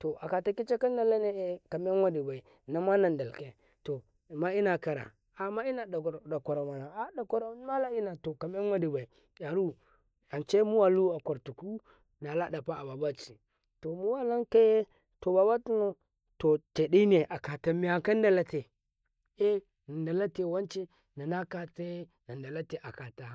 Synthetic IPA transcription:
to˨ʔa˨ka˨ta˨ki˦t͡ʃe˦ka˦nda˦˨la˦ne˦e˦ka˨m˦e˦nwa˦di˨ba˨i˨ | na˨ma˦na˨nda˨lke˨ | to˨ | ma˦i˦na˨ka˨ɾa̰˨ | a˨ma˦i˦na˨da˨ko˨ɾa˨ma˨na˨a˨da˨ko˨ɾa˦ma˦la˦i˦na˨to˨ka˨m˦e˦n˦wa˦di˨ba˨i˨ | ja˨ɾu˦ | a˨t͡ʃe˦mu˦wa˦lu˦a˨ko˨ɾtu˨ku˦ | na˨la˦da˨pa˦a˨ba˨ba˦t͡ʃi˨ | to˨mu˦wa˦la˦nka˦je˦ | to˨ba˨ba˦tu˦no˦ | to˨te˨di˦ne˨ʔa˨ka˨ta˨mi˨a˨ka˦n˦da˦la˦te˨ | e˦ | na˨nda˨la˦te˨wa˦nt͡ʃe˦ | na˨na˦ka˨ta˦na˨nda˨la˦te˨ʔa˨ka˨ta˨

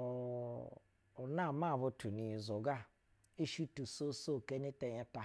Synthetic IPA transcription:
na˦˨ma˦˨βo˧tu˨ni˨zo˨ɡa˦ | i˦ʃi˦tu˨so˦so˦˨ke˦ni˦te˨jɛ˦ta˨

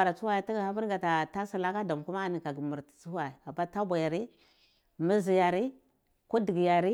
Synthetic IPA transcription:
a˨ɾa˨t͡su˦wa˦ji˨ti˦ɡa˨ha˦bi˦ɾɡa˨ta˨ta˦si˦˨la˦ka˦da˨m˨ku˦ma˦˨ni˨ka˨ɡi˨mu˨ɾti̥˨t͡su˦wa˨i˨a˨ba˦ta˦bʷa˨ja˨ɾi˦ | mi˦zi˨ja˨ɾi˦ | ku˦di˨ɡi˨ja˨ɾi˦

